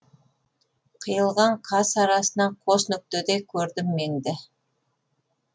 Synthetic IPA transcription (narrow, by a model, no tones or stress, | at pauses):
qʰəjəlˠʁɑɴqʰɑsɑɾɑsənɑqʰosnʏk̚t̪ed̪ekʲʰɵɾd̪ɪmːend̪ɪ